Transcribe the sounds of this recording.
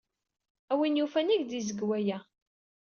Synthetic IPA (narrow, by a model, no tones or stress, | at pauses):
æwinjufæniʝd̪izəɡwæjæ